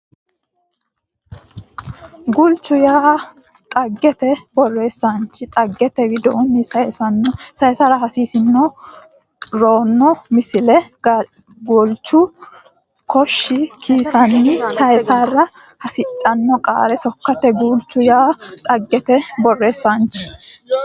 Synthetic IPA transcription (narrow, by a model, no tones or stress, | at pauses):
ɡʊlt͡ʃːʊjaː | t̪ʼɐɡːɛt̪ɛbɔrːe̞ːsːant͡ʃɪt̪ʼɐɡːɛt̪ɛwɪd̪ɔʔʊnːɪsɐjɛsɐnːɔsɐjɛsaɾɐɦɐsiːsɪnːɔ | ɾo̞ːnːɔmɪsɪlɛ | ɡʊlt͡ʃːʊ | kʰɔʃːɪkʰiːsɐnːɪsɐjsaːrɐ | hɐsɪtʼːɐnːɔkʼa̰ːɾɛsɔkːɐt̪ɛɡʊlt͡ʃːʊjaːt̪ʼɐɡːɛt̪ɛbɔrːe̞ːsːant͡ʃɪ̥